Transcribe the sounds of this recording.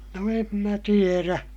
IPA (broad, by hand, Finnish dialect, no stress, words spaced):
no em mæ tieræ